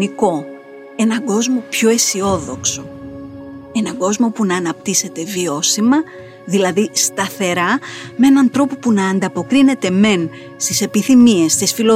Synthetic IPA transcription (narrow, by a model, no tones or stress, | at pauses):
niko̞ | e̞nɐɡo̞zmo̞pço̞e̞sio̞ðo̞kso̞ | e̞nɐɡo̞zmo̞punɐːnɐpt̪ise̞t̪e̞vio̞simɐ | ðilɐðist̪ɐθe̞ɾɐmee̞nɐnt̪ɾo̞po̞punɐːnd̪ɐpo̞kɾine̞t̪e̞me̞n | st̪ise̞piθimie̞st̪isfilo